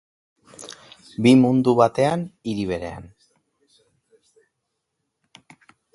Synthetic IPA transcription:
bimund̪uβat̪e̞aniɾiβe̞ɾe̞̰a̰n

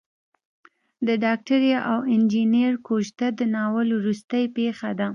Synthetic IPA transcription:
d̪əɖɑk̚ʈaɾjɑʔawɪnd͡ʒineɾkoʒd̪ad̪ənɑwəlwɾust̪əjpexad̪a

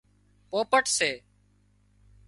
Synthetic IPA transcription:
poːpəʈseː

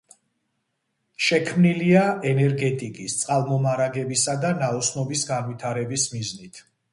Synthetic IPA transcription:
ʃɛkʰmniliaɛnɛɾɡɛt̪ʼikʼist̪sʼqʼalˠmɔmaɾaɡɛbisad̪anaɔsnɔbisɡanwit̪ʰaɾɛbismiznit̪ʰ

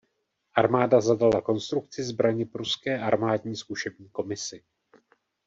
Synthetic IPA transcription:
ʔaɾmaːdazadalako̞nst̪ɾuk̚t͡sɪzbɾaɲɪpɾuskɛːʔaɾmaːdɲiːskuʃɛbɲiːko̞mɪsɪ

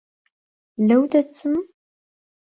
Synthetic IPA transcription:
læwd̪æt͡sːəm

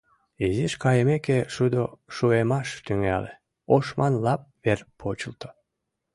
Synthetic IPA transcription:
iziʃkɑjəmekeʃud̪oʃuemɑʃt̪yŋælḛ | oʃmɑnlɑp̚βerpʰot͡ɕəlt̪o̥

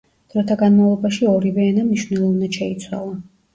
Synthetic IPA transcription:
d̪̥ɾɔt̪ʰaɡanmavlˠɔbaʃiɔɾivɛanamniʃvnɛlˠɔvnaʃɛit̪sʰwa̰lˠa

